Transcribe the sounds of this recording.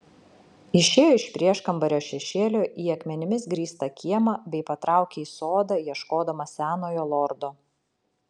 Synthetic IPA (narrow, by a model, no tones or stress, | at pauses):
ɪʃʲeːjoːɪʃʲpʲɾʲiɛʃkɐmbɐɾʲoːʃʲɛʃʲeːlʲoːʔiːɐkmʲɛnʲɪmʲɪsɡɾʲiːst̪ɐkʲiɛmɑbʲɛɪpɐt̪ɾʔɑˑʊkʲeiːsoːd̪ɑjiɛʃkoːd̪ɐmɐsʲæːnoːjoːlˠɔːɾd̪oː